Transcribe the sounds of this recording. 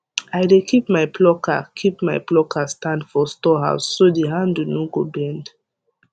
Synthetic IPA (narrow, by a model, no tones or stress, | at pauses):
aɪdekʰipmaɪplɔkʰa̰kʰipmajplɔkʰastãndfɔstɔɦa̰ʊsːodeɦãndunɔɡobɛ̃nd